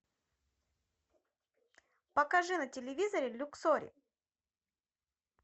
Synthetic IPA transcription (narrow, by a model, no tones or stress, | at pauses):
pɐkɐʐɨnɐtʲɪlʲɪvʲizɐɾʲɪlʲʊksoɾʲɪ̰